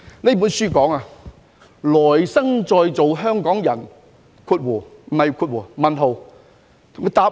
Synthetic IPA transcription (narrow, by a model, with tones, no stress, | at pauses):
ne˥p̬uː˨˥nsyː˥˩kɔː˨˥ŋa˨˧ | lɔː˨˩jsɐ˥ŋt͡sɔː˧jt͡so˨wɦœː˥ŋkɔː˨˥ŋjɐ˨˩n | kʰuː˧t̚wuː˨˩m̩˨ɐ˨jkʰuː˧t̚wuː˨˩mɐ˨nɦo˨w | t̪ʰʊ˨˩ŋkʰːə˧˥t̪aː˧p̚